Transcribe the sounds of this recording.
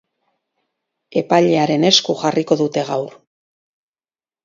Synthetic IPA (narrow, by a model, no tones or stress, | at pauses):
e̞paʎe̞aɾe̞ne̞skuʝariko̞ðut̪e̞ɣawɾ